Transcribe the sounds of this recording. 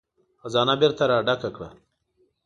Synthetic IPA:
xazɑːnabɪɾt̪aɾɑɖakakɽa̰

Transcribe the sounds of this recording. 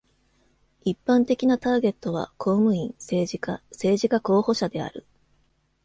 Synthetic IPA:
ipːãnt̪e̞kʲinat̪aːɡe̞t̪ːo̞βa̰kʰo̞ːmɯ̟ĩɴseːʑikase̞ːʑikako̞ːho̞ɕad̪e̞a̰ɾɯ̟̰

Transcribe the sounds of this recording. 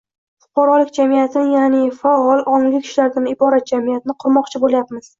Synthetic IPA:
fʊ̥qʰɑɾɒlɪkʲd͡ʒamijat̪ʰɪnɪjanɪfaɒlˠɒnɪɡʲɪkʲʰɪ̥ʃlaɾd̪ʲanɪbɒɾat̪̚d͡ʒamijat̪ɪnɪqʰʊɾmɒqt͡ʃʰɪboljapmɪz̥

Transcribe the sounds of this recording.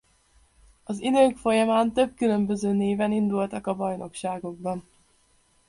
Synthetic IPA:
ɒzid̪øːkfo̞jɒmaːnt̪ø̞b̚kylø̞mbø̞zøːneːvɛnind̪ult̪ɒkɒbɒjno̞kʃaːɡo̞ɡ̚bɒn

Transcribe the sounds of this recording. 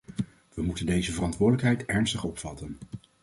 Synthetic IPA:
ʋəmutəndejzəvərɑntʋʊːdələkɦɛjtɛɹnstəχɔpfɑtən

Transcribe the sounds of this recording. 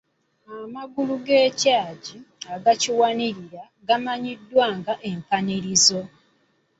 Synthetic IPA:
amaɡuluɡeːcaːɟiaɡaciwaniɾiɾa | ɡamaɲidːwaːŋɡaʔempaniɾizo̞

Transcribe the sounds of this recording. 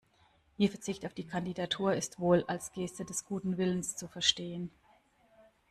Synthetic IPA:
ʔiːɐfɛɐt͡sɪçtaʊfd̥iːkʰandidatʰuːɐɪstv̥oːlalsɡ̥eːstədɛsɡ̥uːtn̩vɪlənst͡sufɛɐʃteːən

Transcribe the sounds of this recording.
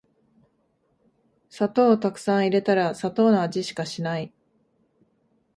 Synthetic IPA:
sat̪o̞ːt̪akɯ̟̥sãɰ̃iɾe̞t̪aɾasat̪o̞ːnoad͡ʑiɕi̥kaɕinai

